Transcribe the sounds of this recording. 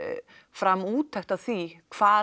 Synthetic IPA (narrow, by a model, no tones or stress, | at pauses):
fɾamuːt̪ʰɛht̪aðθikʰv̥aː